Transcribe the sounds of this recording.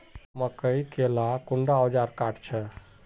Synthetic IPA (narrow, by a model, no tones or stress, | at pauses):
məkəjkelakuɳɖaɔd͡ʒaɾkaʈʰt͡ʃʰɛ